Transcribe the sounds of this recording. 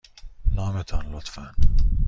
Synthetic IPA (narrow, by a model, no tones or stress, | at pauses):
lɒːmet̪ʰɒnlot̪fæn